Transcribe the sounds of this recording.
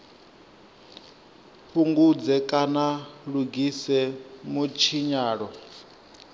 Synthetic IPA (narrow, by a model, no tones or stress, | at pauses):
ɸʰuŋɡud͡zɛkʼanaɺuɡisɛmut͡ʃʰiɲaːɺɔ